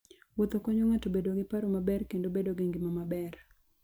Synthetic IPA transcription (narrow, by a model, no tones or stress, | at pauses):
wot̪okɔɲoŋatobedoɡɪpaɾomabɛrkendobedoɡiŋɡɪmamabɛr